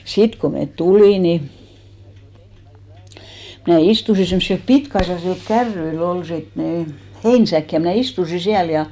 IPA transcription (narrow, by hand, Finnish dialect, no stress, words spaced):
sit ko met tuliˑ ni mnæˑ istusi semsːilp pitkɑisːɑsil kærːyil ol sit ni heinsæk jɑ mnæˑ istusi siæl jɑ